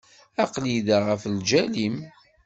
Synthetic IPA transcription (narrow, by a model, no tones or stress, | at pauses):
æqliðaʁəfld͡ʒælim